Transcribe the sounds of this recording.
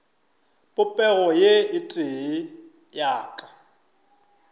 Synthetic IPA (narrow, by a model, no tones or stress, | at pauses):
pʼʊpʼɛɣɔjeɪtʼɪɦɪ | jaːkʼḁ